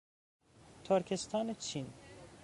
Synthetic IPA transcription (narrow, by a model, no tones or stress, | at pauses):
t̪ʰoɾkʰest̪ʰɑːnet͡ʃʰin